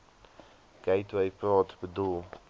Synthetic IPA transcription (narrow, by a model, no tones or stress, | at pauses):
ɡ̥eɪtwɛjprɑːtbədulˠ